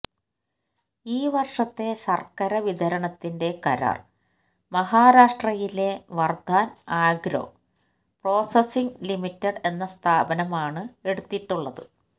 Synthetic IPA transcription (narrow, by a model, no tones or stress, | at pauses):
iːʋɐrʂɐt̪ːe̞sɐrkɐɾɐʋid̪ʱɐɾɐɳɐt̪ːinde̞kɐɾa̰ːr | mɐɦaːɾaːʂʈrɐjile̞ʋɐrd̪ʱaːnaːɡɾo̰ | pro̞ːsesiŋɡlimitːɐɖe̞nːɐst̪ʰaːbɐnɐmaːɳɨe̞ɽut̪ːiʈːuɭːɐðɨ̰